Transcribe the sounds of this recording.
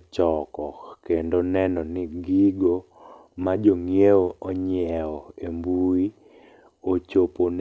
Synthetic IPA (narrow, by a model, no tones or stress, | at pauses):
t͡ʃɔkɔkendonɛnɔniɡiɡo | mad͡ʒoŋijeoɔɲɛɔembui | ot͡ʃopon